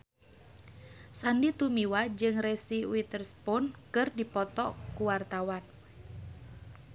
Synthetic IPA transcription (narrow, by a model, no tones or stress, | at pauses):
sandit̪umiwad͡ʒɨŋresiwit̪ərspɔnkɨrdipɔt̪ɔʔkuwart̪awan